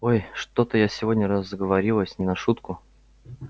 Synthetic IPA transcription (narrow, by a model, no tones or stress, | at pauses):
o̞jʂt̪o̞t̪əjasʲɪvo̞dʲnʲəɾəzəɡəvɐɾʲilˠəsʲnʲɪnɐʂut̪kʊ